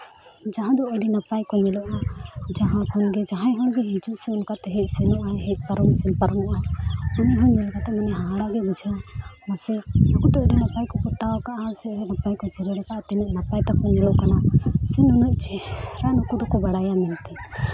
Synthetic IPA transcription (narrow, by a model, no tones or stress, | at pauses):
d͡ʒaɦãd̪ɔɛɖinapajkɔnɛlɔʔad͡ʒaɦãpʰɔnɡɛd͡ʒaɦãjɦɔnɡɛɦid͡ʒuʔsɛɔnkat̪ɛɦɛʔsɛnɔʔaɦɛʔ̚ˀpaɾɔnsɛnpaɾɔnɔʔaɔnɛɦɔnɲɛlkat̪ɛmɛnɛɦaaɽaɡɛbud͡ʒʱə | nasɛɔkut̪ɔɛɖinapajkɔkɔt̪aɔkaʔasɛɛnapajkɔd͡ʒɛɾɛɾɔkaʔt̪ɛnɔʔnapajt̪akɔnɛlɔʔkanasinɔnuʔt͡ʃɛɾanɔkud̪ɔkɔbaɽajamɛnt̪ɛ